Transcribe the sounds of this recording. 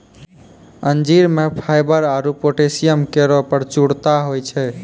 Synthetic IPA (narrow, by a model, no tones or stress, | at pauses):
ənd͡ʒiɾmepʰajbəɾaɾupoʈesijəmkeɾɔpəɾt͡ʃuɽt̪aɦojt͡ʃʰɛ